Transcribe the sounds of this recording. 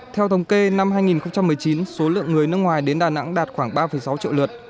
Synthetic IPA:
t̪ʰɛ˧wt̪ʰə˨˦wŋ͡mke˧na˧mɦaː˧jŋi˨˩nxə˧wŋ͡mt͡ɕa˧mːɨ˨˩əjt͡ɕi˨˦nso˨˦lɨ̰˧˨əŋːɨ˨˩əjnɨ˦˥ək̚ŋwaː˨˩jɗe˨˦nɗaː˨˩na̰˧˥ŋɗaː˨˩t̚xwaː˧˩ŋɓaː˧fə˨˩jsa˨˦wt͡ɕḭ˧˨wlɨ˨˩t̚

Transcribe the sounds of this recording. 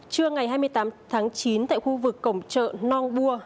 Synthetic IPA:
t͡ɕɨ˧əŋa˨˩jɦaː˧jmɨ˧əjt̪aː˨˦mt̪ʰaː˨˦ŋt͡ɕi˨˦nt̪a̰ː˧˨jxu˧vɨ˨˩kːə˧˩wŋ͡mt͡ɕə̰ː˧˨nɔ˧nɓu˧ə

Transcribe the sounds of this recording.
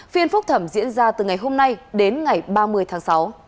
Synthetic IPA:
fi˧ənfʊ˦˥k͡p̚t̪ʰə˧˩mzḭ˧˥ənzaː˧t̪ɨ˨˩ŋa˨˩jɦo˧mna˧jɗe˨˦nŋa˨˩jɓaː˧mɨ˧əjt̪ʰaː˨˦ŋsa˨˦w

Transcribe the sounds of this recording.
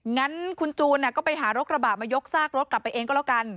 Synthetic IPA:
ŋa˦˥nkʰu˧nt͡ɕuː˧nːi˥˩kɔː˥˩pa˧jɦaː˩˦ɾo˦˥t̪̚ɾa˧baː˨˩t̪̚maː˧jo˦˥k̚saː˥˩k̚ɾo˦˥t̪̚kla˨˩pːa˧jʔeː˧kɔː˥˩la˦˥˩ka˧n

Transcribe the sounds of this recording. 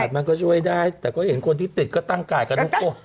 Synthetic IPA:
t̪̚ma˧nkɔː˥˩t͡ɕʰu˥˩əjdaː˥˩jt̪ɛː˨˩kɔː˥˩he˩˦nkʰo˧nt̪ʰiː˥˩t̪i˨˩t̪̚kɔː˥˩t̪a˥˩ŋkaː˧jkʰa˧nt̪u˦˥kːo˥˩

